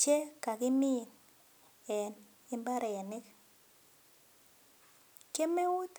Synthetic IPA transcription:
t͡ʃe˦ka˨kɪ˦mi˦˨n | ɛ˨n | ɪ˦mba˦ɾɛ˨ɛ˨nɪ˦k | ke˦me˦u˦t̪

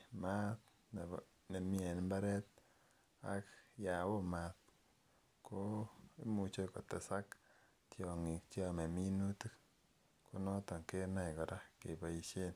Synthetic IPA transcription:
ma˦t | n˨ | ne˨mi˦ɛ˨nmba˦ɾɛt̚ | a̰kja˨wo˦mat̚ | ko˦i˦mu˨t͡ʃo˦kɔ˨tɛ˨sa˦k | tjɔ˨ŋi˨k̚t͡ʃjɔ˦me˨mi˦nu˦tu˦k | ku˦nɔ˦tɔ˨ŋke˦na˦jkɔ˨ɾa˦ke˨pa˨i˨ʃe˦n

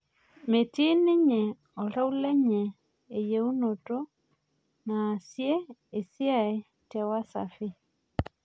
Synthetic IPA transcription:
me˨ti˦nɪ˦ɲɛ˨ | ɔ˨ɾa˦u˦lɛ˦ɲɛ˨ | e˨je˨u˦no˨to˦ | naː˨sjɛ˦e˨sja˦˨e˨ | tɛ˨wa˦sa̰˨fi˦

